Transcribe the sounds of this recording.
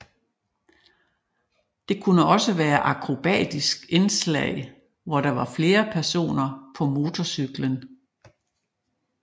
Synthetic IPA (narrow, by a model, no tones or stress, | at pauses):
d̥e̝kʰunəɒ̽səʋæːɐʔɑ̈kʰʁo̝b̥ɛ̰ːd̥isɡ̥e̝nslɛ̰ɪ̰ | ʋɒɾ̥ɑ̈ʋɑ̈fle̝ːɐpʰæɐso̝̰ːnɐpʰɒ̽mo̝ːt͡sʰɒsyɡ̥lən